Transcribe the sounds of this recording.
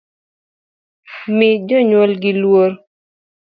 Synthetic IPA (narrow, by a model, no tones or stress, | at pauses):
mɪd͡ʒɔɲwɔlɡɪlwoɾ